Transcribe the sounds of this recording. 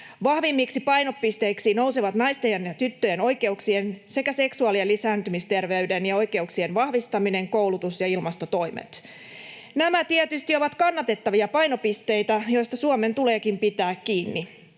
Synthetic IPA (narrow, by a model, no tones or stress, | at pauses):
ʋɑhʋimːiːksipɑjno̞pːist̪e̞iksinouwseʋɑt̪nɑjst̪ejɑnjɑt̪yt̪ːøjeno̞jke̞uksiense̞kæse̞ksuɑlielisæːnt̪ymist̪e̞rʋe̞ydenjɑo̞jke̞uksienʋɑhʋist̪ɑmine̞ŋko̞wlut̪usjɑilmɑst̪o̞t̪o̞jmḛt̪ | næmæt̪iet̪yst̪io̞ʋɑt̪kɑnːɑt̪e̞t̪ːɑʋiɑpɑjnopist̪e̞jt̪æjo̞jst̪ɑsuome̞nt̪ule̞ːkimpit̪æːkkiːnːi